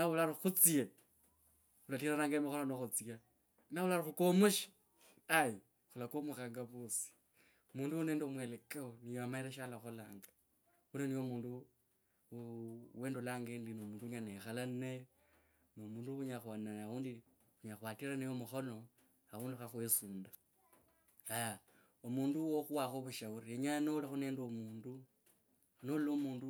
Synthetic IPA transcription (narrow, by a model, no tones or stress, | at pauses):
naβulaɾixut͡sie | ulatiɾanaːŋɡaemixononoxut͡sia | naβulaɾixukomuʃḁ | aji | xulakomuxaːŋɡaβosi̥ | muːnduuneːndomwelekeonijoamaiɾeʃalaxolaːŋɡa | unenijomuːndu | we̞ːndolaːŋɡeːndinoːmuːnduɲanexalane | nomuːnduxuɲaxwananauːndi | xuɲaxwaːtiɾanejomuxo̞no̞ | auːndixaxwesuːnda | aja | omuːnduwoxuwaxoβuʃauɾieɲaanolaxune̞ːndomuːndu | anolomuːndu